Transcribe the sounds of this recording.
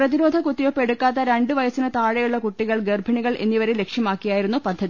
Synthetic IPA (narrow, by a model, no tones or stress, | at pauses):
prɐðiɾo̞ːd̪ʱɐkut̪ːijo̞pːe̞ɽukːaːt̪ːɐɾeɳɖɨʋɐjɐsinɨt̪aːɻɐjuɭːɐkuʈːiɣɐɭɡerbʱɐɳiɣɐɭʔe̞̰nːiʋɐɾele̞kʂjɐmaːkːijaːjiɾunːupɐd̪ʱːɐði